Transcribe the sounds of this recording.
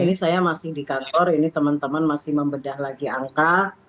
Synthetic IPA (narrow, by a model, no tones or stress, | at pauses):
inisajamasɪhdikant̪ɔrinit̪əmant̪əmanmasɪhməmbədahlaɡiaŋka